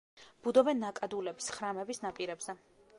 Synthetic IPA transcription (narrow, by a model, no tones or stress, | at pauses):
b̥ud̪ɔvɛnːakʼad̪ulɛbi̥sχɾamɛbisnapʼiɾɛbz̥ɛ